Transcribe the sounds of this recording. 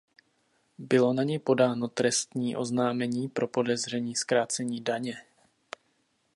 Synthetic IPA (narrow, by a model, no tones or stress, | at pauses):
bɪlo̞naɲɛjpo̞daːno̞t̪ɾɛst̪ɲiːʔo̞znaːmɛɲiːpɾʔo̞po̞dɛzr̝ɛɲiːskɾaːt͡sɛɲiːdaɲɛ